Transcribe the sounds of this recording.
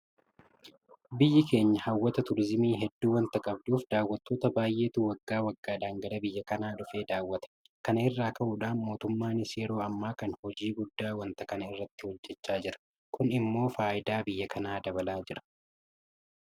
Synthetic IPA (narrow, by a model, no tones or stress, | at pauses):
bɪjːɪke̞ːɲːɐhɐwːɐt̪ɐt̪ʊɾɪzɪmiːɦɛd̪ːuːwɐnt̪ɐkʼɐb̚d̪uːfd̪aːwːɐt̪ːo̞ːt̪ɐbaːjʔe̞ːt̪uwɐɡːaːwɐɡːaːᶑaːŋɡɐɾɐbɪjːɐkɐnaːᶑʊfe̞ːd̪aːwːɐt̪ɐ̥ | kɐnɐɪrːaːkɐʔʊᶑaːnmo̞ːt̪ʊmːaːnɪseːɾo̞ːɐmːaːkɐnhɔd͡ʒiːɡʊd̪ːaːwɐnt̪ɐkɐnɐɪrːɐt̪ːɪhɔd͡ʒːɛt͡ʃːaːd͡ʒɪɾɐ̥ | kʊnɪmːo̞ːfaːʔɪd̪aːbɪjːɐkʰɐnaːd̪ɐbɐlaːd͡ʒɪɾɐ̥